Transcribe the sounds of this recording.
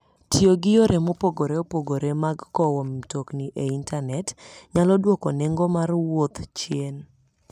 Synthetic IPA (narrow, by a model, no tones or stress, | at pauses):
tjoɡɪjoɾemopoɡoɾeopoɡoɾemaɡkɔwɔmtokniʔeintanɛtɲalɔdwɔkɔneŋɡomarwot̪t͡ʃjen